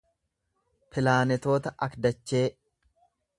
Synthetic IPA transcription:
pʰɪlaːnɛt̪o̞ːt̪ɐʔɐkd̪ɐt͡ʃːe̞ː

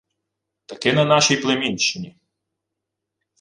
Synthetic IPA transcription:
t̪ɐkɪnɐnɑʃijplˠemʲinʲt͡ʃːɪnʲi

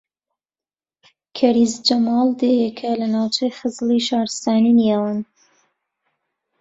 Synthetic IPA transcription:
kʰɐɾizd͡ʒɐmɑːlˠd̪ejekʰɐlɐnaːwt͡ʃʰejxəzliʃɑːɾɨst̪ɑːninjawɨn

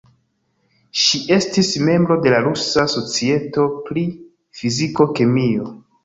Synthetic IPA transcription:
ʃie̞stisme̞mbɾo̞de̞laɾusaso̞t͡sie̞to̞pɾi | fiziko̞kemio̞

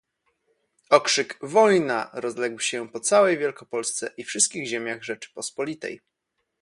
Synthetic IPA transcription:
ɔkʂɘkvɔjnaɾɔzlɛɡwɕɛpɔt̪sawɛjvʲjɛlkɔpɔlst̪sɛʔifʂɘst̪̚kʲiɣʑemʲjaɣʐɛt͡ʂɘ̥pɔspɔlʲit̪ɛ̰j

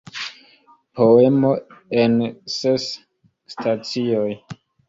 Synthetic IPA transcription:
pʰo̞e̞mo̞ensesː | tʰat͡sioj

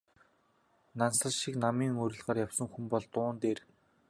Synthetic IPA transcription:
nansə̆ɮʃiknamiːŋɵɾʲɪ̆ɮʁaːrjawsə̆ŋxumpɔɮt̪ʊːnt̪eːr

